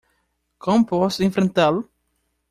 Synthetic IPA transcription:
kõmpɔsẽfɾẽnt̪al

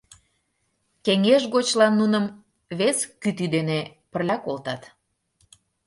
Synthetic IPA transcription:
keŋeʒɣot͡ɕlɑnːunəm | βeskyt̪yd̪enepərlʲɑkolt̪ɑt̪

